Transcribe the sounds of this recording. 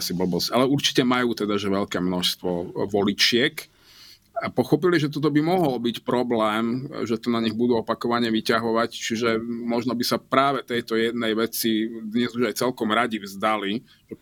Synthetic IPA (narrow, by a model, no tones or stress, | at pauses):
asibl̩bɔsalɛuɾt͡ʃi̥cɛmajuːt̪ɛd̪aʒɛʋɛʎkɛːmnɔʃst̪ʋɔʋɔlit͡ʃɪɛk | apɔxɔpiliʒɛt̪ɔt̪̬ɔbimɔɦɔlbicpɾɔblɛːmʒɛt̪ɔnaɲiɣbud̪uːɔpakɔʋaɲɛʋicaɦɔʋact͡ʃiʒɛmɔʒnɔbisapɾaːʋɛt̪ɛjt̪ɔjɛd̪nɛjʋɛt͡sid̪ɲɛzuʒajt͡sɛlkɔmɾaɟivzd̪ali | t͡ʃɛ